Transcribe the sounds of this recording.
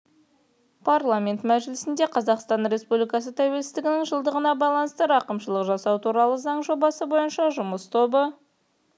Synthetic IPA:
pʰaɾlˠamʲe̞nt̪mæʒɪlɪsɪnd̪e̞qʰɑzɑqst̪ɑnɾe̞spublijkɑsət̪ʰæwe̞lsɪzt̪ɪɡʲɪnɪŋʒəlˠd̪əʁənɑbɑjlˠɑnəst̪əɾɑqəmʃəlˠəqʒɑsɑwt̪ʰuɾɑlˠəzɑɴʒo̞bɑsəbo̞jənʃɑʒʊməst̪ʰo̞bə

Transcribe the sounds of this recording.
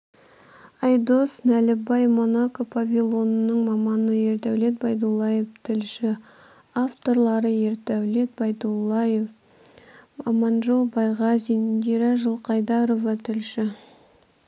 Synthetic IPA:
ɑjd̪o̞snælɪbɑjmo̞nakopʰavʲilˠo̞nənəɴmɑmɑnəje̞ɾt̪æwle̞t̪̚bɑjd̪ulˠːɑjeft̪ʰɪlʃɪ | aft̪o̞ɾlˠɑɾəje̞ɾt̪æwle̞t̪̚bɑjd̪ulˠːɑjev | mɑmɑnʒəlˠbɑjʁɑzinnd̪ʲiɾɑʒəlˠqʰɑjd̪ɑɾo̞vɑt̪ʰɪlʃɪ

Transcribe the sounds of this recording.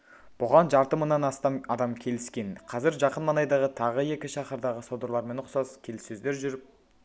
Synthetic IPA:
b̥ʊʁɑnʒɑɾt̪əmənːɑnɑst̪ɑmɑd̪ɑmkʲʰe̞lɪskʲe̞nqʰɑzɪɾʒɑqənmɑnɑjd̪ɑʁət̪ʰɑʁəje̞kʲɪʃɑqəɾd̪ɑʁəsod̪əɾlˠɑɾme̞nʊqsɑz̥kʲʰe̞lɪsɵzd̪e̞ɾʒʏɾɪp̚

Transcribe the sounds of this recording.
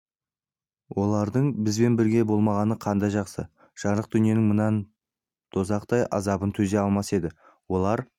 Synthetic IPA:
wʔo̞lˠɑɾd̪əɴbɪzbe̞nbɪɾɡʲe̞bo̞lˠmɑʁɑnəqʰɑnd̪ɑjʒɑqsə | ʒ̥ɑɴɾəq̚d̪ʏnije̞nɪŋmənɑn | t̪ʰozɑqt̪ɑjʔɑ̰zɑbənt̪ʰɵze̞ɑlˠmɑse̞d̪ɪ | wo̞lˠɑɾ

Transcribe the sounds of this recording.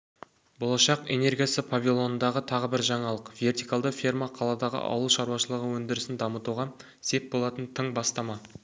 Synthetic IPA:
bo̞lˠɑʃɑqe̞̰ne̞rɡʲijasəpʰavʲilˠo̞nənd̪ɑʁət̪ʰɑʁəbɪɾʒɑɴɑlˠəqve̞rt̪ijkalˠd̪əfʲirmaqʰɑlˠɑd̪ɑʁə̰ʔɑ̰wlˠuʃɑɾuwɑʃəlˠəʁəwɵnd̪ɪɾɪsɪnd̪ɑmət̪uʁɑ | se̞p̚bo̞lˠɑt̪ənt̪ʰəɴbɑst̪ɑmɑ

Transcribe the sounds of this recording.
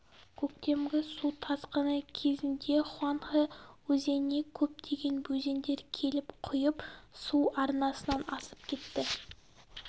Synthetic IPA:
kʲʰɵkt̪e̞mɡʲɪsut̪ʰɑzqənəkʲʰe̞zɪnd̪e̞χʊɑɴʁəwɵze̞ne̞kʲʰɵp̚d̪ʰe̞ɡʲe̞nbɵze̞nd̪e̞ɾkʲʰe̞lɪpqʰʊjəpsuɑɾnɑsənɑnɑsə̥p̚kʲʰe̞t̪ːɪ

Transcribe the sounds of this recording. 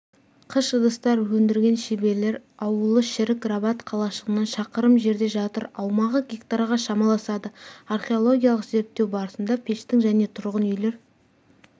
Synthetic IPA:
qʰəʃəd̪əst̪ɑɾwɵnd̪ɪɾɡʲe̞nʃebe̞le̞ɾɑwəlˠəʃɪɾɪk̚ɡrabɑt̪qʰɑlˠɑʃəʁənːɑnʃɑqəɾəmʒe̞ɾd̪e̞ʒɑt̪ə̰ɾɑwmɑʁəɡʲekt̪aɾaʁɑʃɑmɑlˠɑsɑd̪əarχʲe̞o̞lˠo̞ɡʲijalˠəqze̞ɾp̚t̪ːe̞wbɑɾəsənd̪ɑpʲʰe̞ʃt̪ɪŋʒæne̞t̪ʰʊɾʁənʏjle̞ɾ

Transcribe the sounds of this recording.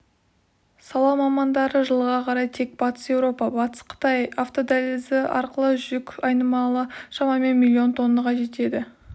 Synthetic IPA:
sɑlˠɑwmɑmɑnd̪ɑɾəʒəlˠʁɑqʰɑɾɑjt̪ʰe̞k̚b̥ɑt̪ə̥sje̞wɾo̞pɑbɑt̪ə̥sqʰə̥t̪ɑjɑft̪o̞d̪æleld̪ɪɑ̰ɾqəlˠəʒʏʒʏkʲɑjnəmɑlˠəʃɑmɑme̞nmʲilʲːio̞nt̪ʰo̞nːəʁɑʒe̞t̪e̞d̪ɪ

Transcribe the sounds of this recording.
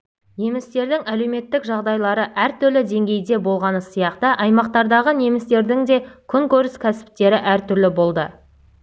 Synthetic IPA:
ne̞mɪst̪e̞ɾd̪ɪŋæle̞wme̞t̪ːɪkʒɑʁd̪ɑjlˠɑɾəʔæɾt̪ʏɾlɪd̪e̞ŋɡʲe̞jd̪e̞bo̞lˠʁɑnəsijɑqt̪əʔɑjmɑqt̪ɑɾd̪ɑʁəne̞mɪst̪e̞ɾd̪ɪŋd̪e̞kʲʰʏŋkʲɵɾɪskʲʰæsɪ̥p̚t̪e̞ɾɪʔæɾt̪ʏɾlɪbo̞lˠd̪ə

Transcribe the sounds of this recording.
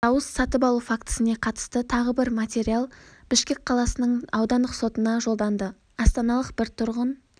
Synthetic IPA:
ɑwəsːɑt̪əpɑlˠufakt̪ə̥səne̞qʰɑt̪ə̥st̪ət̪ʰɑʁəbɪɾmat̪ʲe̞ɾialˠb̥ɪʃkʲe̞k̚ʲqʰɑlˠɑsənəɴɑwd̪ɑnd̪əqso̞t̪ənɑʒo̞lˠd̪ɑnd̪ə | ɑst̪ɑnɑlˠəqbɪɾt̪ʰʊɾʁən

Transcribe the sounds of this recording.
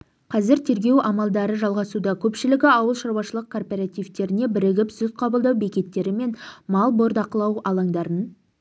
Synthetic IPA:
qʰɑzɪɾt̪ʰe̞ɾɡʲe̞wʔɑmɑlˠd̪ɑɾəʒɑlˠʁɑsud̪ɑkʲʰɵpʃɪlɪɡʲɪɑwəlˠʃɑɾwɑʃəlˠəq̚kʰo̞rpe̞ɾat̪ijvt̪e̞ɾɪne̞bɪɾɪɡʲɪpz̥ʊt̪qʰɑbəlˠd̪ɑwbe̞kʲe̞t̪ːe̞ɾɪme̞nmɑlˠbo̞ɾd̪ɑqəlˠɑwɑlˠɑŋd̪ɑɾən

